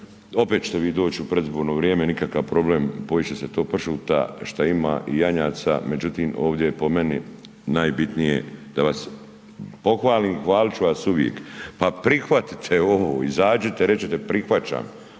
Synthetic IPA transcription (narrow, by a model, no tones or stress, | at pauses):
o̞pet̪t͡ʃt̪oʋiːd̪o̞ːt͡ʃupɾeizboːɾnoːʋɾjeːmeenikakaʋpɾo̞bleːmpo̞jit͡ɕeset̪o̞ːpr̩ʃuːt̪a̰ʃt̪aima̰ːʔijaɲaːt̪sa̰me̞d͡ʑut̪iːmo̞ːʋd̪jepo̞meni | naːjbit̪nijḛd̪̥aʋas | po̞xʋaːliːmxʋaːlit͡ʃuʋasuʋjḛkpapɾixʋat̪i̥t̪ʰeoʋo̰izaːd͡ʒet̪eɾet͡ɕet̪epɾixʋat͡ʃa̰ːm